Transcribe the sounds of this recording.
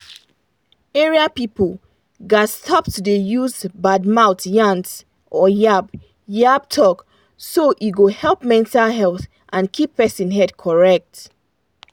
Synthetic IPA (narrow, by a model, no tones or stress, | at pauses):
eɹiapipəl | ɡastʰɔptdejuzbad̚maʊtjãnts | ʔɔjab | jab̚tʰɔk | soʔiɡohɛlˠpmɛ̃ntalɦɛlˠθ | ʔãnkʰipːɛsĩnɦɛdkʰɔɹɛk̚t